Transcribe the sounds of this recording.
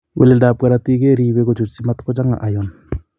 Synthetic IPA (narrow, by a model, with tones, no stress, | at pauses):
wḛ˨le˨da˨pwa˦ɾa˦ti˦ke˦ɾiː˦we˦ko˨t͡ʃo˨t͡ʃsi˦ma˦t̪ko˦d͡ʒa˦ŋa̰˨ʔa˨jɔ˨n